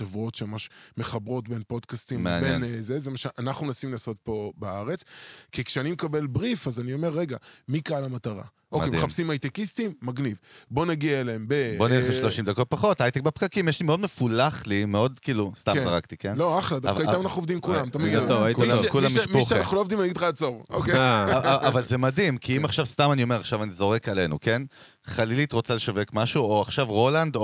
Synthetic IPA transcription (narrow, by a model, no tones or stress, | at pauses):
evuo̞tʃemamaʃmeχabʁo̞tbe̞npo̞dkast̪immḛɲbeɛ̰nzezemaʃalʔanaχnunasimlaːso̞t̚po̞baaʁe̞t͡skikʃeanimekabe̞lbʁifazanio̞me̞ʁːe̞ɡamikaalamataʁa̰ʔokejmdeχapsimajt̪ekistimːaɡnivbo̞naɡiaeleembebonileeʃloʃimd̪akot̪̚paχo̞t̪ajt̪ek̚bepkakimjeʃlimeo̞dmefulaχlimeo̞d̪kiːlust̪azaʁakt̪ikenloaχladafkaiamanaχnuovd̪imkulamt̪amiokkulamiʃiunnaχnuloovd̪imanaɡid̪aat͡soʁokeavalzemad̪imkiimaχʃavst̪amanio̞me̞ʁaχʃavanizo̞ʁekalenṵke̞n | χalilit̪ʁo̞t͡sale̞ʃave̞kmaʃuoaχʃavʁo̞land̪o